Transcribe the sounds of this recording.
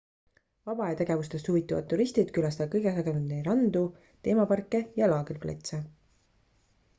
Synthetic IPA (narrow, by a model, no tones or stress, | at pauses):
vɑbɑet̪e̞ɡ̥e̞vust̪e̞st̪huvit̪ːˑuvɑd̪ːuɾist̪id̪̥kylɑst̪ɑkɤjɡ̥esɑɡenud̪nejɾɑnd̪u | t̪e̞ːmɑpɑrkːˑejɑlɑːɡilplḛt̪se